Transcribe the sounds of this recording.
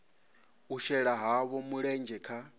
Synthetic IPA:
uʃɛɺaɦaβɔmuɺɛnd͡ʒɛkʰa

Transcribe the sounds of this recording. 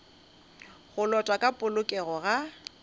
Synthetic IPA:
ɣʊlɔtʼwakʼapʼʊlʊkʼɛɣɔɣa

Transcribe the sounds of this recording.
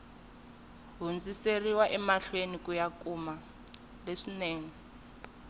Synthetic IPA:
ɦund͡ziseriwaʔɛmaɬwenikujakuma | leʂineːŋi

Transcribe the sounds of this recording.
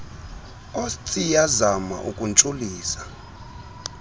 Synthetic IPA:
ostʼijazama̰ʔukʼunt͡ʃʼuliːsḁ

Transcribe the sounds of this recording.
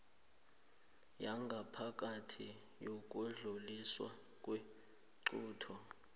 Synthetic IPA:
jaŋɡʱapʰak̬ʼatʰi | jok̬ʼuɮuliswa̰ | kʼwe | ǀuːtʰɔ

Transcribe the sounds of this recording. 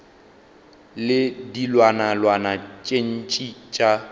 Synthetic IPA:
lɪdilwanalwanat͡ʃʼen̩t͡ʃʼit͡ʃʼa

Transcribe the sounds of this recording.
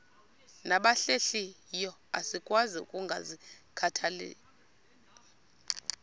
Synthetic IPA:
naɓaɬeɬijɔasikʼwaziṵkʼuŋɡʱa̰zikʰatʰalḛː

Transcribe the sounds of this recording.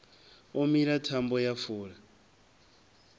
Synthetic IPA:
ɔmiɺatʰambɔjafuːɺa

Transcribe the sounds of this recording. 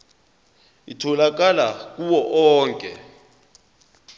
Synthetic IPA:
itʰɔlak̬alak̬ʼuwɔʔɔːŋkʼɛ

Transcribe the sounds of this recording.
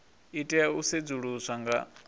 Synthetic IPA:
itʼɛaused͡zuɺusʷaŋɡa̰

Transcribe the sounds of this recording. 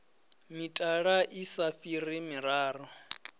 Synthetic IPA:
mitʼaɺaʔisafirimiɾaːrɔ

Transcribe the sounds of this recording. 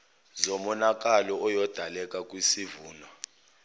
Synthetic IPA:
zomɔnakʼalɔɔjɔd̥ʱalɛkʼakʼwisivuːna

